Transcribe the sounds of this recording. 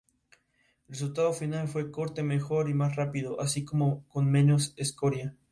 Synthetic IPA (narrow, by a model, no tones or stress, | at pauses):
elres̬ult̪aðofinalfwe̞ko̞ɾt̪e̞me̞xo̞ɾimas̬rapiðo̞ʔasiko̞moko̞nmẽ̞no̞sesko̞ɾja